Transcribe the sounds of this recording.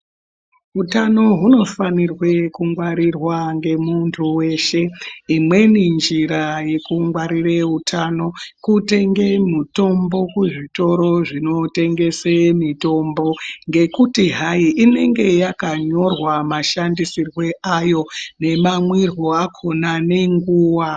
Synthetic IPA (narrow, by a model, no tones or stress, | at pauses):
utano̞ɦuno̞fanirwe̞kuŋɡwaɾirwaŋɡe̞muntʰuwe̞ːʃe̞imwe̞nind͡ʒiɾaje̞kuŋɡwaɾireutʰano̞kute̞ŋɡe̞muto̞mbo̞kuʐito̞ɾo̞ʐino̞te̞ŋɡe̞semito̞mbo̞ŋɡe̞kutiɦaiʔine̞ŋɡe̞jakaɲo̞rwamaʃandisirwe̞ʔajo̞ne̞mamwirwo̞akʰo̞nane̞ŋɡuːwa